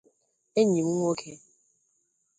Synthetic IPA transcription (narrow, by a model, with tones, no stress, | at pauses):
e˦ɲi˨mu˦ŋʷ˦o˦kʰe˦